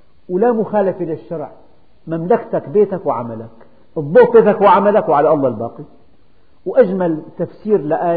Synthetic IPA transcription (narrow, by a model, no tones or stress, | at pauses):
wlamʊxaːlafelɪʃːɑɾˤʕ | mamlakt̪akbeːt̪akwɪʕa̰malak | d̪ˤːuːt̪̚ˤbeːt̪akwɪʕamalakwʕalaʔɑlˤːɑlbɑːqi | wʔad͡ʒmalt̪afsiːɾlɪʔaː